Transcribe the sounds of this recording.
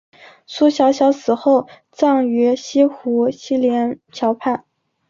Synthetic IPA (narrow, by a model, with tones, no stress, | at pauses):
su˥ɕjɑ˧˥ʊɕjɑ˧˥ʊsɹ̩˨˩xo˥˩ʊ | t͡sɑ˥˩ŋɥy˧˥ɕi˥xu˧˥ɕi˥ljɛ˧˥nt͡ɕʰjɑ˧˥ʊpʰa˥˩n